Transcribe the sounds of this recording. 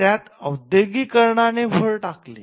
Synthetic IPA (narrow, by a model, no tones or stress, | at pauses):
jat̪əwd̪jəɡiːkəɾɳanefəɭʈaklḛ